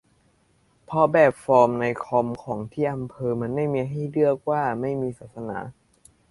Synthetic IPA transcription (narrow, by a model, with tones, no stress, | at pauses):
pʰɔ˧bɛː˨˩p̚fɔː˧mna˧jkʰɔ˧mkʰɔː˩˦ŋt̪ʰiː˥˩ʔa˧mpʰɤː˧ma˧nma˥˩jmiː˧ɦa˥˩jlɯ˥˩ək̚waː˥˩ma˥˩jmiː˧saː˨˩t̪̚sa˧na̰ː˩˦